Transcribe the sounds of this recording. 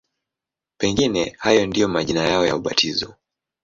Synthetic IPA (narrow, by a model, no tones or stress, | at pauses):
pɛŋɡinɛhajɔndijɔmaʄinajaɔja̰uɓa̰tʰizɔ